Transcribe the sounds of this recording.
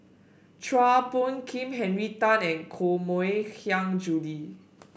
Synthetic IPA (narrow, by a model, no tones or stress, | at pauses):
tʰɹapɔ̃nkʰĩmɦɛ̃nɹitãnɛ̃nkʰomoekʰjãŋd͡ʒuli